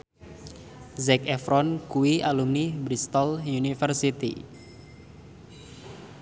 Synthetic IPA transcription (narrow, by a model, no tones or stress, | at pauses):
zɛkɛfɾɔnkuiʔalumnibɾist̪ɔlunifərsit̪ḭ